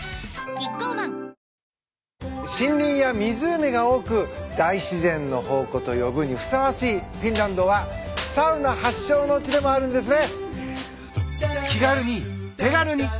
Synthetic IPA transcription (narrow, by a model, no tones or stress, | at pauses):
ɕĩnɾʲĩɰ̃jamʲizɨːmʲiɡao̞ːkɯ̟d̪̥aiɕizẽ̞nːo̞ho̞ːko̞t̪o̞jo̞bɯ̟ɲ̟iɸɯ̟̥saβaɕiːpʲĩnɾãnd̪o̞βḁsaɯ̟nahaɕːo̞ːno̞ɯt͡ɕid̪e̞mo̞aɾɯ̟̃nd̪e̞s̬ɨne̞ | kʲiɡaɾɯ̟ɲ̟it̪eɡaɾɯ̟ɲ̟i